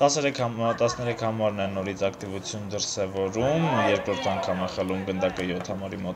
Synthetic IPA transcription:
t̪ɑsɛɾɛkʰt̪ɑsnɛɾɛkʰhɑmɑɾnɛnɔɾit͡sʰɑkt̪ivut͡sʰjund̪əɾsɛvɔɾumjɛɾkɾɔɾt̪ʰɑŋkʰɑmɛχɛlumɡənd̪ɑkəjɔt̪ʰhɑmɑɾimɔt̪

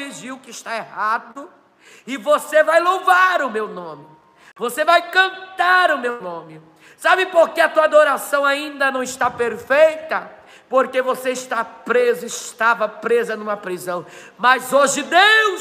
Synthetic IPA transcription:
iʒiwkɪʃt̪aehad̪ʊ | ɪvosevajlowvaɾʊmewnõmɪ | vosevajkɐ̃nt̪aɾʊmewnõmɪ | sabɪpoɾkeɐt̪uɐad̪oɾasɐ̃w̃aĩnd̪ɐnɐ̃w̃ɪʃt̪apeɾfejt̪ɐ | poɾkevoseɪʃt̪apɾezʊɪʃt̪avɐpɾezɐnũmɐpɾizɐ̃w̃ | mɐzoʒɪd̪ew

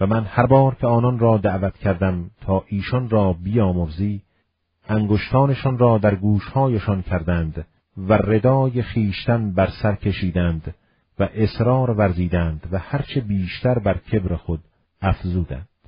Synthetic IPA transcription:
væmænhæɾbɒːɾkʲʰeɒːnɒnrɒːd̪æʔvæt̪cʲʰæɾd̪æmt̪ʰɒːʔiːʃɒnrɒːbijɒːmoɾziː | æŋɡoʃt̪ʰɒːneʃɒnrɒːd̪æɾɡuːʃhɒːjeʃɒncʰæɾd̪ænd̪ | være̞d̪ɒːje̞xiːʃt̪ænbæɾsæɾkʰe̞ʃiːd̪ænd̪ | væʔe̞sɾɒːɾvæɾziːd̪æːnd̪væhæɾt͡ʃʰe̞biːʃt̪æɾbæɾcʰe̞bɾexod̪ | æfzuːd̪æ̰nd̪̥

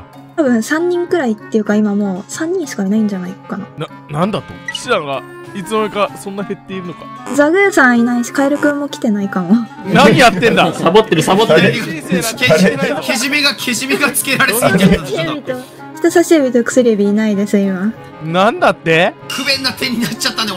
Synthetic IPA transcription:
t̪aβɯ̟̃ɰ̃sãɲ̟ːĩŋkɯ̟ɾait̪ːe̞jɯ̟kaimamo̞ːsãɲ̟ːĩɕi̥kainaĩɲ̟d͡ʑanaikanana | nãnd̪at̪ːo̰kɕiɾaɡa | it͡sɨmokasõ̞nːahe̞t̪ːe̞iɾɯ̟nokḁd͡zaɡɯ̟jasãɰinaiɕi̥kaiɾɯkɯmːo̞kʲi̥t̪e̞naikãɰ̃βa | naɲijat̪ːẽnd̪asabot̪ːeɾɯ̟sabot̪ːeɾ | keʑimʲiɡakʲʰeʑimʲiɡat͡sɨ̥keɾaɾe | bʲit̪o | çʲi̥t̪osaɕiɯbʲit̪okɯ̟̥sɨɾʲɯbʲiːnaid̪e̞sɨima | nãnd̪at̪ːekʰɯbẽ̞nːat̪ẽɲ̟ːinat͡ɕat̪ːane

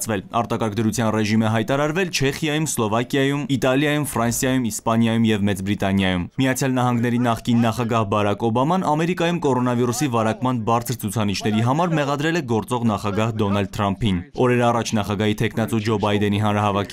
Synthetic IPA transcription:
t͡sʰvɛlɑɾt̪ɑkɑɾk̚ʰd̪əɾut͡sʰjɑnrɛʒimɛɦɑjt̪ɑɾɑɾvɛlt͡ʃʰɛχjɑjumslɔvɑkjɑjumit̪ɑljɑjumfrɑnsjɑjumispɑnjɑjumjɛvmɛt͡sbɾit̪ɑnjɑjummijɑt͡sʰjɑlnɑɦɑŋɡnɛɾinɑχkinːɑχɑɡɑhbɑɾɑkɔbɑmɑnɑmɛɾikɑjumkɔɾɔnɑviɾusivɑɾɑkmɑnbɑɾt͡sʰəɾt͡sʰut͡sʰɑnit͡ʃʰnɛɾiɦɑmɑɾmɛʁɑd̪ɾɛlɛɡɔɾt͡sɔʁn̪ɑχɑɡɑhd̪ɔnɑld̪̚t̪ʰɾɑmpʰinɔɾɛɾɑrɑt͡ʃʰnɑχɑɡɑɦit̪ʰɛkʰnɑt͡sud͡ʒɔbɑjd̪ɛniɦɑnɾɑɦɑvɑkʰi

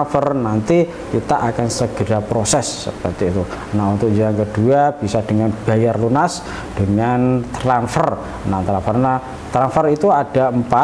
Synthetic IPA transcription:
fərnant̪i | kit̪aʔakansəɡ̥əɾapɾosɛsːə̰pərt̪iːt̪u | naunt̪ʊk̚d͡ʒaaŋkəd̥uab̥isad̥əŋanb̥a̤jarlunas | d̥əŋant̪ɾanfər | nant̪ɾanfərna | t̪ɾanfərit̪uad̥aəmpa

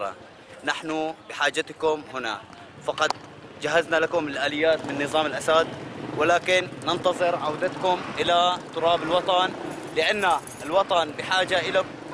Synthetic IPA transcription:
ɾa̰ | naħnʊbɪħaːd͡ʒːat̪kʊmhɪna̰ | fɑqɑd̪̚d͡ʒaɦaznalakʊmɪlʔaːlɪjːaːt̪mɪnːɨðˤɑːmɪlʔasad̪wɪlaːkɪnːɪnt̪ɑðˤɨɾʕawd̪at̪kʊmʔɪlat̪ːʊɾˤɑːbɪlwɑt̪ˤɑn | lɪʔanːa | ɪlwɑt̪ˤɑnbɪħaːd͡ʒaʔɪla

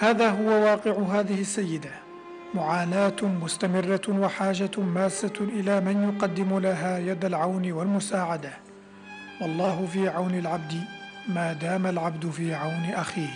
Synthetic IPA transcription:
haːðaːɦʊwawɑːqɪʕʊɦaːðɪhɪsːajːɪd̪a | mʊʕaːlaːt̪mʊst̪amɪrːawaħaːd͡ʒamaːsːaʔɪlaːmɪnjʊqɑd̪ːɪmʊlaɦaːjad̪alʕawnɪwalmʊsaːʕad̪a | wɑlˤːɑːɦʊfiːʕawnalʕab̚d̪ɪ | maːd̪aːmalʕabd̪ʊfiːʕawnɪʔaxiːh

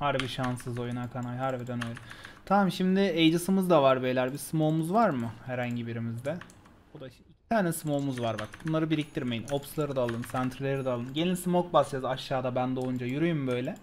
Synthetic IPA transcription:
haɾbiʃansɯzo̞junakʰanajɦaɾbid̪ænø̞jlʲɛt̪ʰammʃimd̪ɪejd͡ʒɯsɯmɯzd̪avaɾbejlʲæɾbismoːmuzvaɾmɯhæɾhaɲɟibiɾimizd̪ɛ | bod̪aiʃɛicʰi̥t̪ʰaːnɛsimomuzvaɾbakbunlˠaɾɯbiɾic̚t̪ʰiɾme̞jino̞pslˠaɾɯd̪alˠɯnsænt̪ʰɾilʲe̞ɾid̪ɛːlˠɯnɟe̞nʲilʲsimok̚basajazaʃːaːd̪abænd̪o̞jund͡ʒajyɾujumbø̞jlʲɛ

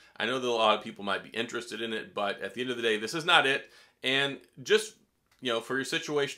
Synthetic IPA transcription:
ʔaɪnoʊðəɾəlɔɾʌv̥pʰipl̩ˠmaɪt̚b̥ḭʔɪ̃nt͡ʃɹ̥ɨstɨɾɨ̃nɪt̚b̥ʌɾɨ̰t̪̚ðiɛ̃ndʌvðɨdeɪðɪsɨznəɾɪt̚ | ɨ̃nd͡ʒʌst | jɨnoʊfə˞jə˞sɪt͡ʃueɪʃ

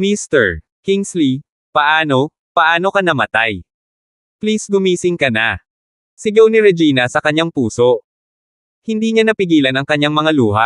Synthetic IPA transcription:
mist̪ɛɹ | kiŋsli | pɐʔaːno̞ | pɐʔaːno̞kɐnɐmɐt̪aj | plisɡʊmiːsɪŋkɐna | sɪɡownɪɾɛd͡ʒiːnɐsɐkɐɲːaŋpuːso̞ʔ | hɪnd̪iːɲanɐpɪɡiːlɐnɐŋkɐɲːaŋmɐŋaluːɦaʔ

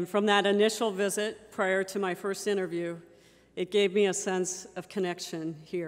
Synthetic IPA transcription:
nfɹʌ̃mðəɾɨnɪʃl̩ˠvɪzɨt̚pʰɹ̥aɪə˞ɾɨmaɪfɜ˞stɪ̃ɾ̃ə˞vjʉ | ɨt̚ɡ̥eɪvmiɨsɛ̃nsʌv̥kʰɨnɛkʃɨ̃nhi

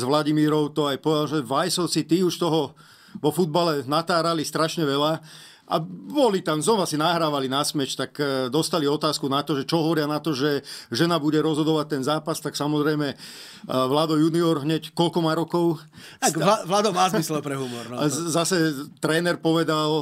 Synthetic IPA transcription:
zʋlaɟimiːɾɔʊt̪ɔajpɔʋɛd̪alʒɛʋajsɔsit̪iːuʃt̪ɔɦɔ | ʋɔfud̪̚balɛnat̪aːɾalist̪ɾaʃɲɛʋɛla | ʔa̰bɔlit̪amzɔʋasinaɦɾaːʋalinasmɛt͡ɕt̪akd̪ɔst̪aliɔt̪aːskunat̪ɔʒɛt͡ʃɔɦɔʋɔɾɪanat̪ɔʒɛʒɛnabuɟɛɾɔzɦɔd̪ɔʋac̚t̪ɛnzaːpast̪aksamɔzɾɛjmɛ | ʋlaːd̪ɔjuniɔɾɦɲɛckɔlkɔmaːɾɔkɔʊ | akaʋlaːd̪ɔmaːzislɛpɾɛɦumɔɾnzasɛt̪ɾɛːnɛɾpɔʋɛd̪al

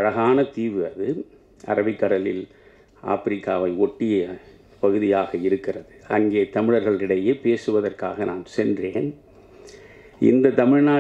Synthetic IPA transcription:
ɐɻɐɣaːnɐt̪iːʋɯɐðɯ | ʔɐ̰ɾɐbɪkːɐɽɐlɪl | ʔa̰ːfɪɾɪkːaːʋɐɪɔʈːɪjɐ | pɐɣɯðɪjaːɣɐɪɾɯkːɪrɐðɯɐŋɡeːt̪ɐmɪɻɐɾɣɐɭɪɽɐjeːpeːsɯʋɐðɐrka̰ːɣɐnaːnsɛndreːn | ʔɪ̰nd̪ɐt̪ɐmɪɻnaː

